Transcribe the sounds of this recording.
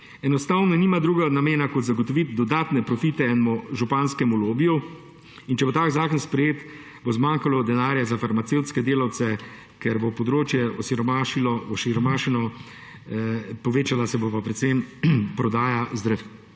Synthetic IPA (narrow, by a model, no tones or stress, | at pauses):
ɛnɔst̪aːwnɔniːmad̪ɾuːɡanameːnakɔt̪zaɡɔt̪ɔʋit̪d̪ɔd̪aːt̪nɛpɾɔfit̪ɛɛnmɔʒupanskɛmuloːbiju | int͡ʃɛbot̪aːkzaːkɔnspɾɛjeːt̪ | bozmaŋkalɔd̪ɛnaːɾjazafaɾmat̪sewt̪skɛd̪eːlawt̪sɛ | kɛɾbopɔd̪ɾoːt͡ʃjɛɔsiɾɔmaːʃilɔɔʃiɾɔmaːʃinɔ | pɔʋeːt͡ʃalasɛbopapɾɛt̪sempɾɔd̪aːjazd̪ɾəf